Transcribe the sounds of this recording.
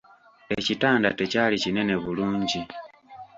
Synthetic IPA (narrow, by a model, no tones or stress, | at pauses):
ecitaːnda̰tecaːlicine̞ne̞βuluːɲɟi